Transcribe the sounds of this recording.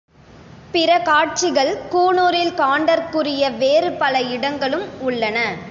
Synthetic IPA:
pɪɾɐkaːʈ̚t͡ʃɪɣɐɭkuːnoːɾɪlkaːɳɖɐɾkɯrɪjɐʋeːɾɯpɐlɐɪɽɐŋɡɐɭɯmʊɭːɐnɐ

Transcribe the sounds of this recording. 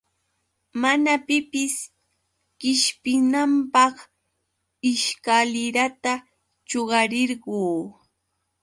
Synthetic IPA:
manapɪpɪs | kɪʃpɪnampɑχ | ɪʃkalɪɾat̪a | t͡ʃoɢɑɾɪɾɢuː

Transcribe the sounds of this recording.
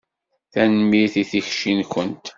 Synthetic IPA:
θænəmːiθiθiçʃinkʷənt̪

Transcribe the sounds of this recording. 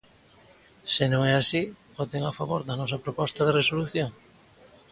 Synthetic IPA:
senõŋɛasibot̪eŋafaβoɾðɐnɔsɐpɾopɔst̪ɐðeresoluθjoŋ

